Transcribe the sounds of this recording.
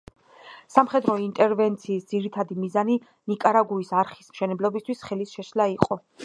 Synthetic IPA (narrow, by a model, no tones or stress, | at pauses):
samχɛd̪ɾɔint̪ʼɛɾvɛnt̪sʰiːsd̪ziɾit̪ʰad̪imizani | nikʼaɾaɡuisaɾχismʃɛnɛblɔbist̪ʰwisχɛlisʃɛʃlaiqʼɔ